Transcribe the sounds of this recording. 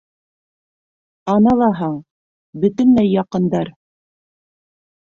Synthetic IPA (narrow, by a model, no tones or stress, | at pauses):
ɑnɑlˠɑɦɑɴ | bɵ̆t̪ɵ̆nlæjːɑqɤ̆nd̪ɑɾ